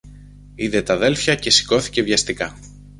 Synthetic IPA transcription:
iðe̞t̪ɐðe̞lfçɐce̞si̥ko̞θi̥ce̞vʝɐst̪ikɐ

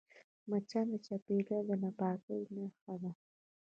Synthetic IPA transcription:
mat͡ʃalat͡ʃapeɡad̪ənapɑkəwnaxad̪a

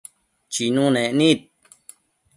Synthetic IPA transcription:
t͡ʃinũnẽʔnĩt̪̚

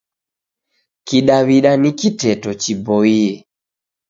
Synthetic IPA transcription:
kiɗaβiɗanikitɛtɔt͡ʃibɔiɛ

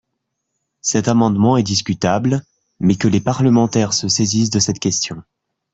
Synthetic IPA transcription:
sɛt̪amɑ̃d̪mɑ̃ɛd̪iskʲyt̪abl | mɛkəlepaʁləmɑ̃t̪ɛʁsəsezis̬d̪əsɛt̪kʲɛst̪jɔ̃

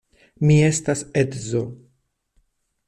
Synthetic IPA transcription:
mie̞staset̪zo

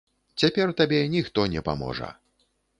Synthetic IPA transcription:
t͡sʲapʲɛrt̪abʲɛnʲixt̪ɔnʲɛpa̰mɔ̰ʐɐ̰

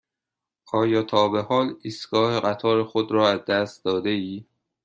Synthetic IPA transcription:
ʔɒːjɒːt̪ʰɒːbehɒːliːst̪ɡ̥ɒːheɣæt̪ʰɒːɾexod̪ɾɒːæzd̪æst̪̚d̪ɒːd̪eiː

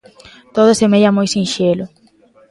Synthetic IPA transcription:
t̪oðʊsemeʎamojsĩnʃelʊ

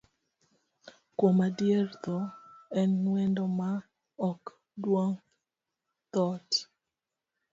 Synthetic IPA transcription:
komadjert̪ɔɛnːwendoma | ɔk | dwoŋ | t̪ɔt

